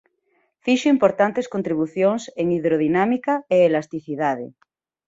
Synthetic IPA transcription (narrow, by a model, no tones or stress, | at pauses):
fiʃoimpoɾt̪ant̪eskont̪ɾiβ̞uθjoŋseŋiðɾoð̞inamikaeelast̪iθiðaðḛ